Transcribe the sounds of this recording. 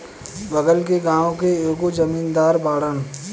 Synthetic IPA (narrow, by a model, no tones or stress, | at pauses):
bəɡəlkeɡãːõkeoːɡod͡ʒəmiːnd̪aːɾbaːɽən